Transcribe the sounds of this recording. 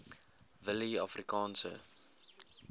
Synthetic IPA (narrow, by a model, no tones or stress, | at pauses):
vəliafrikɑːnsə̰